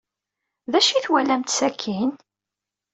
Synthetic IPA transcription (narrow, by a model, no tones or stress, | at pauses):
ðæʃiθwælæmt̪sækʰːin